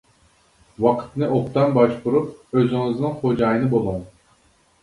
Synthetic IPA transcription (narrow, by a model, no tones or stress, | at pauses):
wɑqʰɨ̥t̪nɨʔop̚t̪ɑnbɑʃbuɾupøzyŋɨznɪŋχod͡ʒɑjɨnɨbolˠom